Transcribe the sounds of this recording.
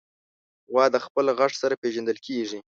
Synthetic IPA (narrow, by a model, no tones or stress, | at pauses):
wɑd̪əxpəlɣaʂsaɾapeʒand̪əlkʰeʐi